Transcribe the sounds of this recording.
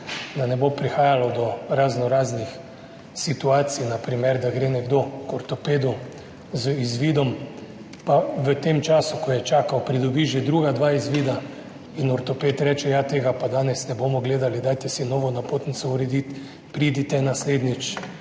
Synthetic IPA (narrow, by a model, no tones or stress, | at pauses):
d̪anɛbopɾixaːjalɔd̪ɔɾaznɔɾaːznix | sit̪uaːt̪sinapɾimɛɾd̪aɡɾenɛɡd̪okɔɾt̪ɔpeːd̪u | zizʋiːd̪ɔm | paʋət̪emt͡ʃaːsukɔjɛt͡ʃaːkawpɾid̪ɔbiːʒed̪ɾuːɡad̪ʋaːizʋid̪a | inɔɾt̪ɔpet̪ɾɛt͡ʃɛjat̪eːɡapad̪aːnɛsnɛboːmɔɡleːd̪alid̪aːjt̪ɛsinɔʋɔnapoːt̪nit̪sɔuɾɛd̪it̪ | pɾid̪it̪ɛnasleːd̪nit͡ʃ